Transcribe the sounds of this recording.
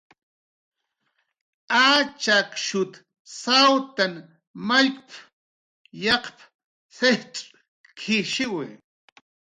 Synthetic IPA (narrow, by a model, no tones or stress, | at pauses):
at͡ʃakʃʊt̪ | sawt̪an | maʎkʼp | jɑqp | seʈ͡ʂʼ | kʰɪʃɪwɪ